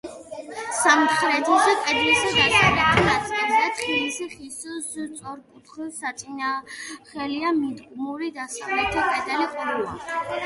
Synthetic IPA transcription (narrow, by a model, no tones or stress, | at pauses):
samχɾɛt̪ʰɔzɛkʼɛd̪lisad̪at͡ʃʰad̪atʰɾat̪sʼɛbid̪at̪ʰχilisiχisɔst̪sʼɔɾkʼut̪ʰχwɛsat̪sʼinaχɛliamid̪ɡʼmuɾid̪asavlɛt̪ʰapʼɛd̪ɛlikʼɔɾula